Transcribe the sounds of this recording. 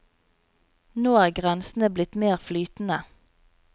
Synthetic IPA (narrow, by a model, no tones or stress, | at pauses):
noːæːʁɡʁɛnsn̩əblɪt̪meːʁflyːt̪n̩ə